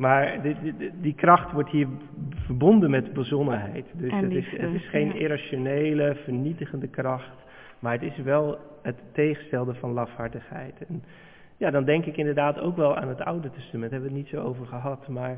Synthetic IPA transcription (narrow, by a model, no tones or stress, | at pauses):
maːɹddikrɑχtʋɔɹtɦiːɹ | vəɹbɔndənmɛdbəzɔnənɦɛjtdɵsəɪsətɪsχejneɾaːʃonejləvəɹnitəχəndəkrɑχt | maːɹɦətɪsʋɛlˠ | ɦətːejχənstɛlˠdəvɑnlɑfhɑɹtəχhɛ̰jtɛn | jadɑndɛŋkɪkɪndəɹdaːto̰wkʋɛlˠa̰ːnɦəta̰wdətɛstamɛntɦɛbəʋətnitsowowvəɹχəɦɑtmaːɹ